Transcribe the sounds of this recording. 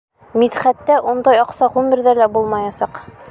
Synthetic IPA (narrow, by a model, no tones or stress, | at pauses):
mit̪χæt̪ːæʔund̪ɑjɒqsɑʁʉmɘ̆ɾðælæbulˠmɑjɑsɑq